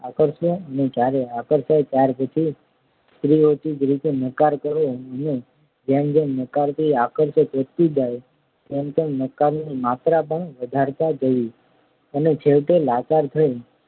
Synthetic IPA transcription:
akəɾʃõəned͡ʒjaɾeakəɾʃajt͡ʃjaɾpət͡ʃʰi | st̪ɾiot͡ʃid͡ʒɾit̪enəkaɾkəɾõəne | d͡ʒemd͡ʒenəkaɾt̪ʰiakəɾʃət̪ət̪ːud͡ʒaj | t̪emt̪enəkaɾnimat̪ɾap̬əɳʋəd̪ʱaɾt̪ad͡ʒəʋi | ənet͡ʃʰelʈelat͡ʃaɾt̪ʰəe

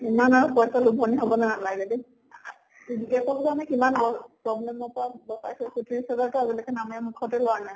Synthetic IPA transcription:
imanaɹupɔjsalubʱɔniɦobɔnaalaɡɡɛdi | iziɡasɔkzanɛkimanbɔpɹɔblɛmɔpɔɹabɔsa̰jsɛkutʰiisɛzaɹkɛabilakɛnamamukʰɔtɛlʊanaj

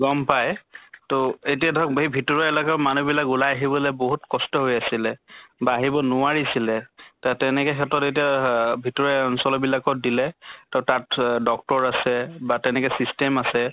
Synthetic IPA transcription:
ɡɔmpajtoetijadʱɔk̚bɦibʱitɔɹɔɛlɔkamanubilakulajaɦibɔlɛboɦutkɔstɔɦojasilɛbaːɦibɔnʊaɹisilɛtatɛnɛkɛxʰɛtɔtet̬iabʱitɔɹɔjɔnsɔlɔbilakɔdilɛtatatdɔk̚tɔɹasɛbatɛnɛkɛsistɛmasɛ

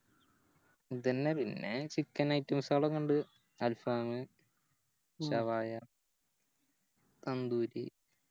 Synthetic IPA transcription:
id̪ɐnːepinːet͡ɕikːɐnɐjtːɐmsaːɭɐkɐɳɖɨ | ɐlfaːmɨ | ɕɐʋaːjɐ | t̪ɐnd̪uːɾḭ

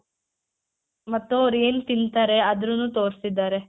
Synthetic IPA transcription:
mɐt̪ːuɐʋɐɾue̞ːnut̪int̪aːɾe̞ɐd̪ɾunːuːt̪o̞ːɾsid̪ːaːɾe

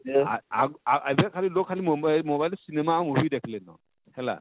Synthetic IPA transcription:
aaɡaʔabakʰalilokʰalimɔbamɔbajlɔsinɛmaɔmobidekʰilɛnɔ̰ | hɛla̰

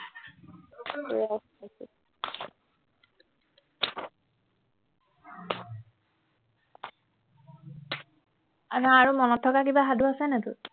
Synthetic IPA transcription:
asasɛ̰ | anaaɹumɔnɔtʰːɔkakibaɦaduasɛnɛtʊ

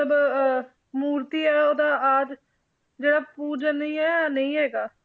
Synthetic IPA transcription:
ələb | muːɾt̪iːɦɛːoːd̪aaːd̪ | d͡ʒeːɽaːpuːd͡ʒəniːɦɛːanəĩɦɛːɡaː

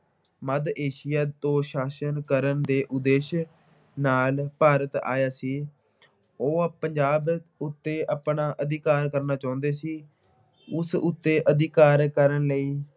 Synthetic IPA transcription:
məd̪eːʃɪjaːt̪õːʃaːsənkəɾənd̪eːʔʊd̪eːʃ | naːlpaːɾət̪a̰ːjaːsiː | oːpəɲd͡ʒaːbʊt̪ːeːʔapɳaːʔəd̪ɪkaːɾkəɾnaːt͡ʃaːʊnd̪eːsiː | ʊsʊt̪ːeːʔəd̪ɪkaːɾkəɾənləiː

